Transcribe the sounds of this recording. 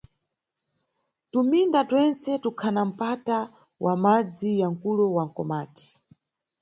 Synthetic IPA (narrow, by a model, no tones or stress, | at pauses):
tumindatwɛnsɛtukʰanam̩pata | wʔamad͡zijaŋ̩kulɔwaŋ̩kɔ̰maːti̥